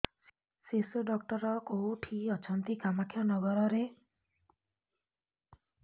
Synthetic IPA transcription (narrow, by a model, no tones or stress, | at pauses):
sesuɖɔk̚ʈɔɾɔkowʈʰiɔt͡ʃʰɔnt̪ikamakʰjɔnɔɡɔɾɔɾe